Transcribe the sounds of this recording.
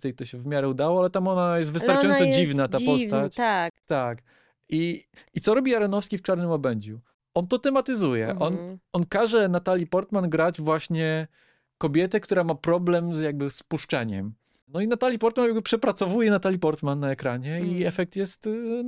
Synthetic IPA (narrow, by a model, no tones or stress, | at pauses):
ɛjt̪ɔɕɛvmʲjaɾɛud̪awɔalɛt̪amɔnajɛst̪vɨst̪aɾajɔ̃nsɔd͡ʑivnat̪apɔst̪at͡ɕtat̪ak | iitsɔɾɔbʲiaɾɛnɔfskʲift͡ʂaɾnɘmɔbɛɲd͡ʑu | ʔɔnt̪ɔt̪ɛmat̪ɘzujɛ̰ʔɔnɔnkaʐɛnat̪alʲipɔɾt̪manɡɾad͡ʑvwaɕɲɛ | kɔbʲjɛt̪ɛkt̪uɾamapɾɔblɛmzjaɡ̚bɘspuʂt͡ʂɛɲɛ̰m | nɔinat̪alʲjipɔɾt̪manjaɡbɘpʂɛpɾat̪sɔvujɛnat̪alʲipɔɾt̪manːaɛkɾaɲɛiɛfɛk̚t̪jɛst̪